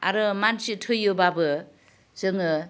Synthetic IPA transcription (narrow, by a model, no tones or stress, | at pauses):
a̰ɾɯmansitʰɯjːobabɯ | zɯŋɯ